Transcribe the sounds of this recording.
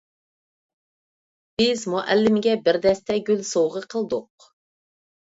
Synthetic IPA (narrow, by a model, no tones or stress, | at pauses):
b̥ɪzmuʔælːɪmɪɡʲɛbɪɾd̪ɛst̪ʰɛɡʲylsowʁəqʰəlˠd̪ʊq